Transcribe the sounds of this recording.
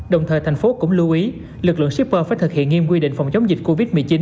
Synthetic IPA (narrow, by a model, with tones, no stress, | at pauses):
ɗə˨˩wŋ͡mt̪ʰəː˨˩jt̪ʰa˨˩jŋ̟fo˨˦kʊ̰˧˥ŋ͡mlu˧ʔi˨˦ | lɨ˨˩k̚lɨ̰˧˨ŋsi˦˥k̚pəː˧faː˧˩˦jt̪ʰɨ˨˩k̚hḭ˧˨ənŋi˧əmkwi˧ɗḭ˧˨ŋ̟fa̰˨˧˩wŋ͡mt͡ɕə˨˦wŋ͡mzi˨˩k̟̚ko˧vi˦˥t̚mɨ˨˩ət͡ɕi˨˦n